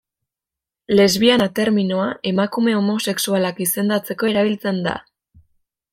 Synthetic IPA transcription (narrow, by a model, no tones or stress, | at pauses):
le̞zβianat̪e̞ɾminoaʔe̞makume̞o̞mo̞se̞ksualakise̞nd̪at͡se̞ko̞e̞ɾaβ̞ilt͡se̞nd̪a̰